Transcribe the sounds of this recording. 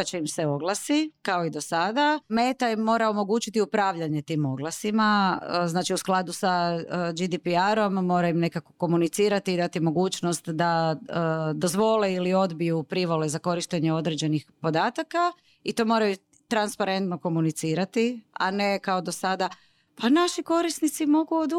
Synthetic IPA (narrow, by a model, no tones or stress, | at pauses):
at͡ɕimseo̞ɡlˠasikaoid̪osad̪ame̞ːt̪aimːo̞ːɾaomo̞ɡuːt͡ʃit̪iupɾaːʋʎaɲe̞t̪iːmo̞ɡlasimaznaːt͡ʃiusklˠad̪usad͡ʒid̪ipiaɾo̞mːo̞ːɾaimne̞kako̞̥ko̞munit̪siːɾat̪iːd̪at̪imo̞ɡuːt͡ʃno̞st̪d̪aəd̪o̞zʋo̞leilio̞d̪bijupɾiʋo̞lezako̞ɾiʃt̪eɲeo̞d̪ɾe̞d͡ʑe̞nixpo̞d̪aːt̪aka | it̪o̞ːmo̞ːɾaju | t̪ɾanspaɾe̞nt̪no̞ko̞munit̪siːɾat̪ia̰ne̞kaod̪o̞sad̪a | panaʃiko̞ɾisnit̪simo̞ɡuod̪